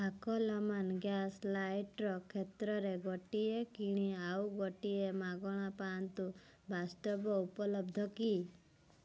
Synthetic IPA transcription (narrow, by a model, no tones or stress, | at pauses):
bakɔlamanɡjaslajʈɾɔkʰet̪ɾɔɾeɡɔʈiekiɽ̃iawɡɔʈiemaɡɔɽ̃apant̪u | bʱast̪ɔpɔupɔlɔbd̪ʱɔki